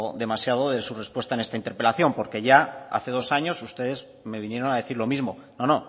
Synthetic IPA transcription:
ðe̞masjað̞o̞ðe̞sure̞spwe̞st̪aene̞st̪aint̪e̞ɾpe̞laθjo̞mpo̞ɾke̞ʝaa̰θe̞ð̞osaɲo̞sust̪e̞ðe̞z | me̞β̞inje̞ɾo̞naðe̞θiɾlo̞mizmo̞no̞no̞

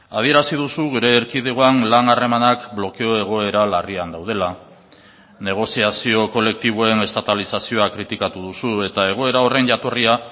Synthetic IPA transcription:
a̰ð̞ie̞ɾasiðusuɣ̞uɾe̞ːɾkiðeɣoanlaŋare̞manakblo̞ke̞o̞e̞ɣ̞o̞e̞ɾalariand̪awð̞e̞la | ne̞ɣ̞o̞siasio̞ko̞le̞k̚t̪iβ̞oe̞ne̞st̪at̪alisasio̞akɾit̪ikat̪uðusue̞t̪ae̞ɣ̞o̞e̞ɾao̞re̞nʝat̪o̞ria

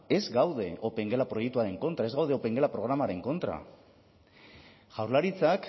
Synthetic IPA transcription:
e̞zɡawðe̞ʔo̞peŋɡelapɾo̞jek̚t̪uaɾe̞ŋko̞nt̪ɾae̞zɣawð̞eope̞ŋɡe̞lapɾo̞ɣɾamaɾe̞ŋko̞nt̪ɾa̰ | ʝ̥awɾrlaɾit͡sak

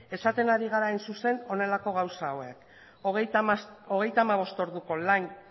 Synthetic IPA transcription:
e̞sat̪e̞naɾiɣ̞aɾaensuse̞no̞ne̞lako̞ɣ̞awsaoe̞k | ɣ | o̞ɣ̞e̞jt̪aːmaβ̞o̞st̪o̞ɾðuko̞lan

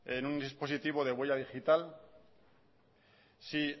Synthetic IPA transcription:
enund̪ispo̞s̬it̪iβ̞oð̞ewe̞ʝað̞ixit̪al | si

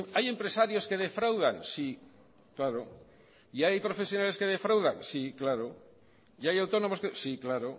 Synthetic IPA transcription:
ajempɾesaɾjoskeð̞efɾawð̞aŋsi | klaɾo | iajpɾofesjonaleskeðefɾawðaŋsiklaɾo | iajawt̪onomoskesiklaɾo

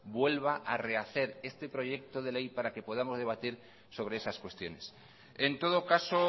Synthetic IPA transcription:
bwe̞lβ̞aʔare̞aθe̞ɾe̞st̪e̞pɾo̞ʝe̞k̚t̪o̞ð̞e̞le̞jpaɾake̞po̞ð̞amo̞zð̞e̞β̞at̪iɾ | so̞β̞ɾe̞esaskwe̞st̪jo̞ne̞s | e̞nt̪o̞ð̞o̞kaso̞

